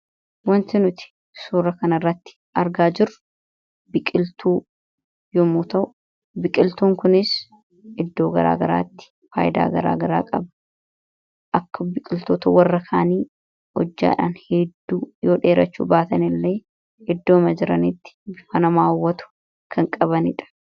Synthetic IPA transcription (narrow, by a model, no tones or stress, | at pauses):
wɐnt̪ɪnʊt̪ɪ̥ | suːɾɐkɐnɐrːɐt̪ːɪ̥ | ʔɐɾɡaːd͡ʒɪrʊ̥ | bɪkʼɪlt̪uː | jɔmuːt̪ɐʔʊ | bɪkʼɪlt̪uːŋkʊnɪs | ʔɪd̪ːo̞ːɡɐ̰ɾa̰ːɡɐɾa̰ːt̪ːɪ̥ | faːjɪd̪a̰ːɡɐɾa̰ːɡɐɾa̰ːkʼɐbɐ̥ | ʔɐkːɐbɪkʼɪlt̪oːt̪ɐwɐrːɐkʰaːniː | ɔd͡ʒːa̰ːᶑa̰ːnhɛd̪ːuːjoːᶑe̞ːɾɐt͡ʃːṵːbaːt̪ɐnɪlːe̞ː | ɪd̪ːoːmɐd͡ʒɪɾɐnɪt̪ːɪ̥bɪfɐnɐmaːwːɐt̪ʊ̥ | kʰɐŋkʼɐβɐnɪᶑɐ̥